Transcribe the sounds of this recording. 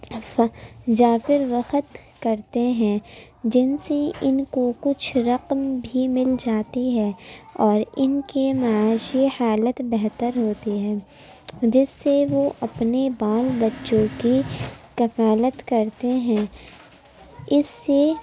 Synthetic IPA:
d͡ʒaːfɪɾʋɐxət̪ | kɐɾt̪eɦɛ̃ː | d͡ʒɪnseɪnkokʊt͡ʃʰɾɐqmbʱimɪld͡ʒaːt̪iɦɛːɔːɾɪnkemɐaːʃihaːlət̪bɛɦt̪əɾɦoːt̪eɦɛ̃ː | d͡ʒɪsːeʋoʔɐpnebaːlbɐtːʃõkikɐfaːlət̪kɐɾt̪eɦɛ̃ː | ɪsːe

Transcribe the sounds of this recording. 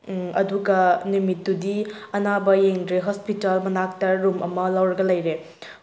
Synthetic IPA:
ɐduɡɐnumitdudiɐnabɐjeŋdɾeɦɔspitalmɐnak̚tɐɾumʔɐmɐlawɾɐɡɐlɐjɾe

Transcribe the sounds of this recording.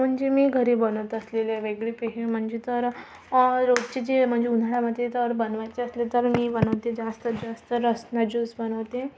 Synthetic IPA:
m̤əɳd͡zemiːɡʱəɾebənət̪əsleljaʋeɡɭipeɦim̤əɳd͡zet̪əɾ | ɾodt͡ɕed͡ʑem̤əɳd͡zeunʱaɽaməd̪ʱjet̪əɾbənʋajt͡ɕeəslet̪əɾmiːbənəʋt̪ed͡zast̪əd͡zast̪əɾəsnad͡ʑusbənəʋt̪ẽ

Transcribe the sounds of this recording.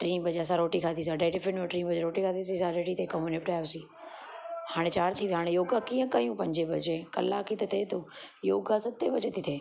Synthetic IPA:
ʈɾĩːbɐd͡ʑɐs̬ãɾoːʈikʰaːt̪ʰis̬aɖeːɖɪfɪɳmeʈɾĩːbɐd͡ʑeɾoːʈikʰaːt̪ʰisisaɖeːʈit̪ʰekɐmunepʈaːʋsiː | haːɽ̃et͡ʃaːɾt̪ʰiʋɦaːɽ̃ejoːɡakiːə̃kɐjũpɐ̃ɲd͡ʑebɐd͡ʑekɐ̰laːkit̪ɐt̪ʰeːt̪ojoːɡasɐt̪ːebɐt͡ʃt̪it̪ʰeː

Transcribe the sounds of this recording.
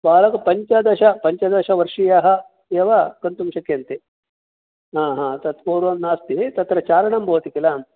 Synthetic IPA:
baːlɐkɐpɐɲt͡ʃɐd̪ɐʃɐpɐɲt͡ʃɐd̪ɐʂɐʋɐɾʂijaːɦɐ | jeːʋakɐnt̪umʃɐkːent̪i | ɦãːɦãːt̪ɐt̪koːɾuʋɐnnaːst̪it̪ɐt̪ɾɐt͡ʃaːɾɐɳɐmbʱoːt̪ikilaːm

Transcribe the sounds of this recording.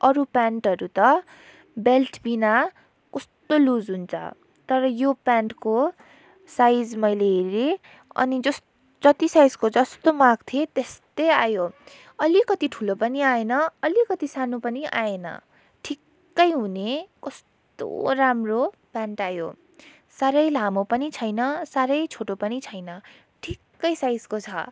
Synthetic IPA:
ʌɾupaɳʈʌɾut̪ʌ | belʈbina | kʌst̪olud͡zɦunt͡sʰʌ̰ | t̪ʌɾʌjopaɳʈko | sajd͡zmʌjleɦeɾe | ʌ̰nid͡zʌs | d͡zʌt̪isajd͡zkod͡zʌst̪omaɡ̚t̪ʰiet̪est̪ʌjajo | ʌlikʌt̪iʈʰulopʌniaenʌʌlikʌt̪isanopʌniʔa̰enʌ̰ | ʈʰikː | ʌjɦunekʌst̪o̰ramro | pãɳʈajo̰ | saɾʌjlamopʌnit͡sʰʌjnʌsaɾʌjt͡sʰoʈopʌnit͡sʰʌjnʌ | ʈʰikːʌjsajd͡zkot͡sʰʌ

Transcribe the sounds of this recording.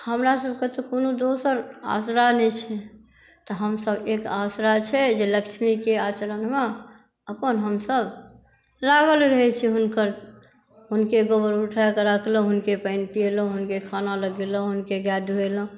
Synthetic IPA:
həmɾasəb̚kət̪əkonod̪osəɾa̰sɾanɛt͡ʃʰɛ | t̪ɔɦəmsəbekasɾat͡ʃʰɛd͡ʒeləkʃmikeat͡ʃəɾənme | əpənɦəmsəb | laɡəlɾəɦɛt͡ʃʰɛɦunkəɾ | ɦunkeɡəbəɾuʈʰakɾəkʰlə̃ɦunkepəɪnpielə̃ɦunkekʰanaləɡelə̃ɦunkeɡɛd̪uelə̃

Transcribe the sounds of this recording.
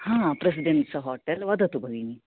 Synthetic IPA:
hãːpɾes̬iɖeɳʈsɐɦoːʈelʋɐd̪ɐt̪ubʱɐɡini

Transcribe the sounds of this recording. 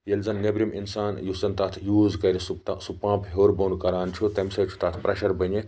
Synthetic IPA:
jelzɐnːebɾimḭnsaːnjusɐnt̪ɐt̪ʰjuːzkɐɾisut̪supãːpɦoːɾbɐwnkɐɾaːnt͡ʃʰut̪ɐmsɐt͡ʃʰu̥t̪ɐt̪ʰpɾʔɐʃɐɾbɐne

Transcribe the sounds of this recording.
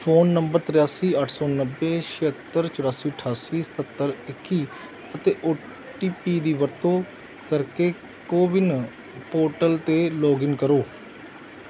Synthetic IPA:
pʰoːnːəmbəɾt̪ɾɪjaːsiːəʈʰsɔːnəʋːeːʃɪət̪ːəɾt͡ʃʊɾaːsiːəʈʰaːsiːsə̥t̪ət̪ːəɾɪkːiː | ət̪eːʔoː | ʈiːpiːd̪iːʋəɾt̪õː | kəɾkeː | koːʋɪn | poːʈəlt̪eːlɔːɡɪnkəɾoː

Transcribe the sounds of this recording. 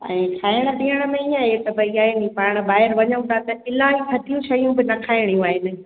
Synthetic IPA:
ɛ̃ːkʰaːɪɽ̃ə̆ɖiːəɽ̃əmẽiaːɦet̪ɐbɐiɦaːɦenipaːɽ̃̆baːɦɪɾʋɐɲəʊ̃t̪ʰat̪ɐɪlaːɦikʰɐt̪ʰijũʃɐjũbɪnɐkʰaːɪɽ̃ijũaːɦenɐ

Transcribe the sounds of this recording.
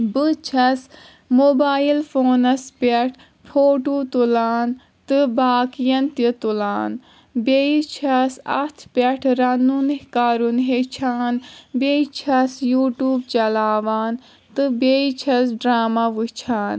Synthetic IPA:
bɨt͡ʃʰɐs | mobaːilfoːnɐspʲeʈʰ | pʰoːʈut̪ulaːn | t̪ɨbaːkijɐnt̪it̪ulaːn | beit͡ʃʰɐsɐ̰t̪ʰpʲɐʈʰɾɐnunɦkaːɾunɦet͡ʃʰaːnbeit͡ʃʰɐsjuːʈjuːbt͡ʃɐlaːʋaːn | t̪ɨbeit͡ʃʰɐsɖɾaːmaʋɨt͡ʃʰaːn

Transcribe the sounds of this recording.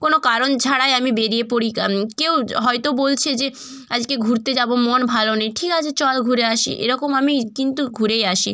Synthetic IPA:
konokaɾont͡ɕʰaɽajamibeɾiepoɾikewɦɔet̪obolt͡ɕʰed͡ʑe | ad͡ʑkeɡʱuɾt̪ed͡ʑabomonbʱaloneʈʰikat͡ɕʰet͡ɕɔlɡʱuɾeaʃḭʔḛɾɔkomamikint̪uɡʱuɾejaʃi

